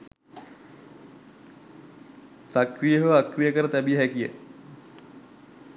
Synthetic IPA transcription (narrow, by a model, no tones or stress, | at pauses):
sakrijəɦʋakrijəkəɾət̪æbijəɦækijə̰